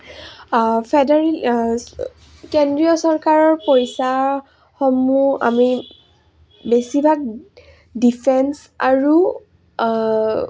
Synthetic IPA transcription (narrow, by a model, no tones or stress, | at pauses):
pʰɛdɛɹl | kendɹiɔsɔɹkaɹɔɹpojsa | xɔmua̰mi | besibʱak̚ | dipʰɛns | aɹu